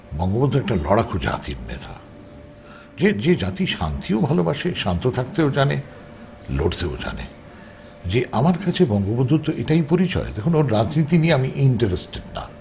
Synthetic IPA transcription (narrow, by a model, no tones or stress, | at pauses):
bɔŋɡobod̪ʱːoɛk̚ʈalɔɽakʰod͡ʑa̰t̪iɾnḛt̪ʰa̰ | d͡ʑed͡ʑed͡ʑat̪iʃa̰nt̪ʰiobʱalobaʃeʃant̪ot̪ʰak̚t̪eod͡ʑane | loʈt̪eo̰d͡ʑa̰nḛ | d͡ʑeʔamaɾkat͡ɕʰebɔŋɡobod̪ʱːut̪ːoʔeʈajpoɾit͡ɕɔ̰ed̪ekʰunoɾːad͡ʑnit̪inieamiʔiɳʈaɾesʈeɖna̰